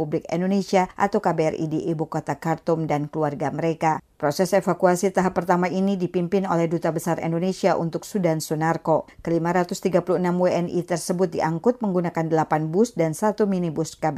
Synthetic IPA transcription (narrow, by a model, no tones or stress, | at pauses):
ublɪkɛ̰ndonesiaʔa̰t̪awkabeɛrḭdiʔebukot̪akart̪umdankəluarɡaməɾekapɾosɛsefakuasit̪aɦapːərt̪amainidipimpɪno̰lɛhdut̪abəsaɾɛ̰ndonesiaʔṵnt̪ʊksudansunarkokəlimaɾat̪ʊst̪iɡapuluhənamweɛnit̪ərsəbʊt̪̚diʔaŋkʊt̪̚məŋɡunakandəlapanbʊsdansat̪uminibuskab